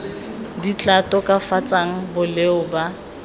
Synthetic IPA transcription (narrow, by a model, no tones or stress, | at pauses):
dit͡ɬʼatʼɔkʼafat͡sʼaŋ̩bʊleʊba